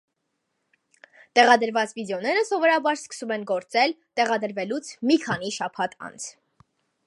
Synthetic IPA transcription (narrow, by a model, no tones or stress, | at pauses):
t̪ɛʁɑd̪əɾvɑt͡svid̪ɛɔnɛɾəsɔvɔɾɑbɑɾskə̥sumɛnɡɔɾt͡sɛlt̪ɛʁɑd̪əɾvɛlut͡sʰmikʰɑniʃɑpʰɑt̪ʰɑ̰nt͡sʰ